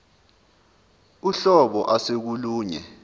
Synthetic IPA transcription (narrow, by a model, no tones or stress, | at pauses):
uɬɔɓɔʔasek̬uluːɲɛ̰